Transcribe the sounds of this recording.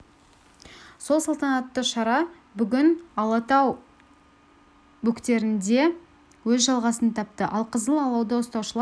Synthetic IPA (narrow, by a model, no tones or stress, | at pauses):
so̞lˠsɑlˠt̪ɑnɑt̪ːəʃɑɾɑ | bʏɡʲɪnɑlˠɑt̪ɑw | bʊkt̪e̞ɾɪnd̪e̞ | wɵzʒɑlˠʁɑsənt̪ʰɑp̚t̪əʔɑlˠqʰəzəlˠɑlˠɑwd̪əəst̪ɑwʃəlˠɑ